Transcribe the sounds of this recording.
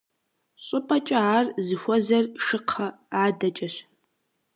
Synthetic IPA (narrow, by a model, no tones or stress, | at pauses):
ɕʼʊpʼɐt͡ʃʼɐarzɨxʷɔzɐrʂɨqʰɐ | aːdɐt͡ʃʼɐɕ